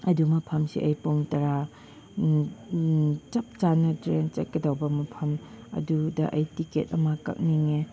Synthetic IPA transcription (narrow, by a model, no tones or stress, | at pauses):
ɐdumɐpʰɐmsḭʔɐjpoŋtɐɾa | t͡ʃɐp̚t͡ʃanɐtɾent͡ʃɐt̚kɐdɐwbɐmɐpʰɐmɐ̰dudɐʔɐjtikḛt̚ɐmakɐ̰p̚niŋe